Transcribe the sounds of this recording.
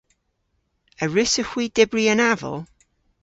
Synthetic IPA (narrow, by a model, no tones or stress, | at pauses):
əɹɪsəxw̥iːdɪbriənavɔ̰lˠ